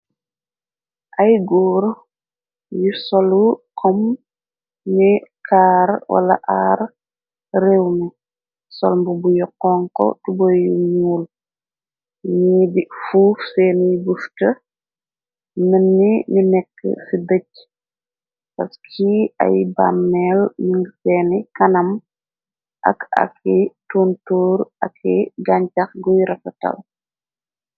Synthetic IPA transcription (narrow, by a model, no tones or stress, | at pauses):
ʔɐjɡuːɾ | jusɔlukʰɔm | nikʰaːrwʔɐ̰lɐ̰ʔaːr | rɛwnu | sɔ̰lmbubujɔkːɔŋkɔ̰tubɔjuɲuːl | ɲɛːbifuːfsɛːnjbuftə | mənːininɛkːə̰sidəc̚ | pɐskʰiɐ̰jba̰mːɛlmiŋɡsɛːnikɐnɐm | ʔɐ̰kɐ̰kʰːituːntɔːɾɐkʰːɛɡaɲcɐxɡujɾɐfɐtɐ̰l